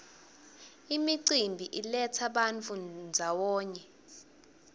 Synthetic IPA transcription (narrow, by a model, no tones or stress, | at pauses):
imiǀimbʱiʔilɛt͡sʰaɓant͡fʰund͡zʱawɔːɲɛ